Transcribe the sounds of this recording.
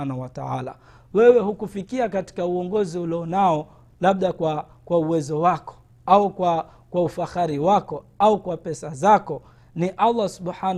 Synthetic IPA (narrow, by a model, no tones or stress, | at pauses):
anauwataala̰ | wɛwɛhukufikiakati̥kauɔŋɡɔziuliɔnaɔ | laɓ̚ɗakwa | kwauwɛzɔwakɔ̥ | aukwa | kwaufaxaɾiwakɔ | aukwapɛsazakɔ | niʔalˤːasubɓħan